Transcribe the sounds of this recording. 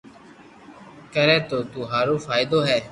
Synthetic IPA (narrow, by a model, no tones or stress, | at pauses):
kəɾẽːt̪oːt̪uːɦaːɾoːfaːɪd̪oːɦɛː